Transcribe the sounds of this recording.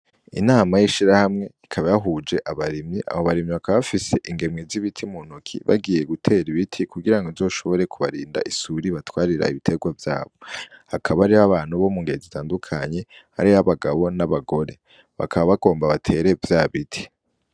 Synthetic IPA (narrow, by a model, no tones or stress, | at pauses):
ḭnaːmajiʃiɾahamŋe̞ikʰaβajaɦuːd͡ʒe̞ʔaβaɾimɲiʔa̰βoβaɾimɲiβakβaβafise̞ʔiŋɡe̞mŋiziβitʰimun̥ukʰḭβa̰ɡiːje̞ɡutʰe̞ːɾiβitʰikuɡiɾaŋɡozo̞ːʃo̞βo̞ɾe̞kʰuβaɾiːnda̰ʔisuɾiβatwaːɾiɾa̰iβitʰe̞ɡwavja̰ːβo̞hakʰaβaɾiβaβaːn̥uβo̞muŋɡezitʰaːndukʰaɲe̞ha̰ɾiaβaɡaβo̞naβaɡo̞ɾe̞ | βa̰kʰaβaβaɡo̞ːmbaβatʰe̞ːɾe̞vjaːβitʰi̥